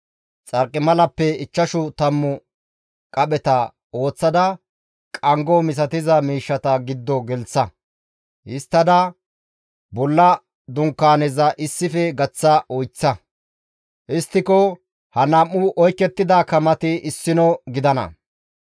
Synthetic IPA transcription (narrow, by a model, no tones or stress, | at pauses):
t͡sʼɐɾkʼːɪmɐlɐpːɛɪt͡ʃːɐʃʊt̪ɐmːʊ | kʼɐɓɛt̪ɐ | o̞ːt͡sːɐd̪ɐ | kʼɐŋɡɔmɪs̬ɐt̪ɪzɐmiːʃːɐt̪ɐɡɪd̪ːɔɡɛlt͡sːɐ | ɪst̪ːɐd̪ɐ | bɔlːɐ | d̪ʊŋkːaːnɛzɐʔɪsːɪfɛɡɐt͡sːɐɔjt͡sːɐ | ʔɪst̪ːɪkɔ | hɐnɐmːʊʔɔjkːɛt̪ːɪd̪aːkɐmɐt̪ɪɪsːɪnɔɡɪd̪ɐnɐ̰